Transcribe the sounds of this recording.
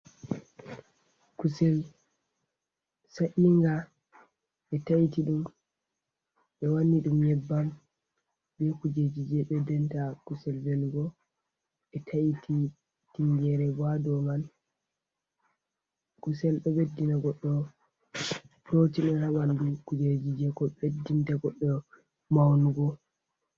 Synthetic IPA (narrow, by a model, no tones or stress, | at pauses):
kusɛl | saʔiŋɡa | ɓɛtaitiɗum | ɓɛwanːiɗumjɛbːam | bɛkud͡ʒed͡ʒid͡ʒɛɓɛdɛntakusɛlvɛlɡɔ | ɓɛtʰajitʰi | tiŋɡɛɾɛbadɔman | kusɛlɗɔɓedːinaɡɔɗːɔ | pɾotiɗunhawandukud͡ʒed͡ʒid͡ʒɛkɔɓedintaɡɔɗːɔ | mawnuɡɔ